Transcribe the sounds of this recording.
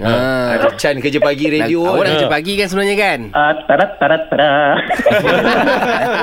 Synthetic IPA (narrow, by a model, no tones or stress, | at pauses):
əat͡ʃankəd͡ʒəpaɡiɾediooɾakəd͡ʒəpaɡikansəbənaɲakanʔat̪ːaɾat̪ːaɾat̪ːaɾa